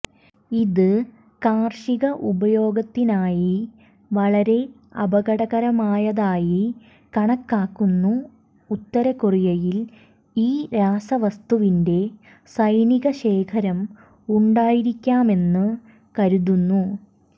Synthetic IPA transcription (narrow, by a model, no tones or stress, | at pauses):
iðɨ | kaːrʂiɣɐʔubɐjo̞ːɡɐt̪ːinaːji | ʋɐɭɐɾe̞ | ɐ̰bɐɣɐɽɐɣɐɾɐmaːjɐðaːji | kɐɳɐkːaːkːunːuː | t̪ːɐɾɐkurijɐjil | iːɾaːsɐʋɐst̪uʋinde̞ | sɐjniɣɐɕe̞ːkʰɐɾɐm | uɳɖaːjiɾikʲːaːme̞nːɨ | kɐɾuðunːu